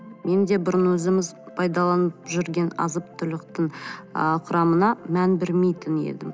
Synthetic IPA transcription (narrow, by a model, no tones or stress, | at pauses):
me̞nd̪e̞bʊɾənwɵzɪmɪz | pʰɑjd̪ɑlˠɑnəpʒʏɾɡʲe̞nɑ̰zəp̚t̪ʰʊlɪqt̪əɴəqʰʊɾɑmənɑmænbɪɾmejt̪ɪne̞̰d̪ɪm